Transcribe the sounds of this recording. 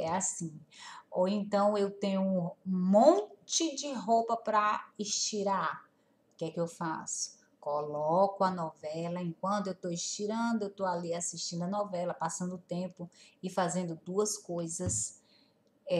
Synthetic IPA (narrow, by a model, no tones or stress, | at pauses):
ɛasĩowẽnt̪ɐ̃w̃ewt̪ẽɲʊũmõt͡ʃɪd͡ʒɪɦowpɐpɾɐɪʃt͡ʃiɾa | kɪɛkɪewfa̰sʊ̥ | kɔlɔkʊɐnɔvɛlɐẽkwɐ̃nt̪ʊewt̪oɪʃt͡ʃiɾɐ̃d̪ʊewt̪oaliasiʃt͡ʃĩnd̪ʊɐnɔvɛlɐpasɐ̃nd̪ʊʊt̪ẽpʊɪfazẽnd̪ʊd̪uɐskojzɐs | ɛ